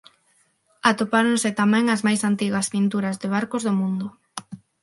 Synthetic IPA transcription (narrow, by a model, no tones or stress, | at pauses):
at̪opaɾoŋsɪt̪amɛ̃ŋɐzmajsant̪iɣɐspint̪uɾɐzðɪβ̞aɾkozðomũnd̪ʊ